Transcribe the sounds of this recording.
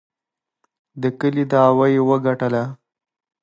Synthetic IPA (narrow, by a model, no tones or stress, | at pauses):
d̪əkəlid̪əawajwəɡaʈəla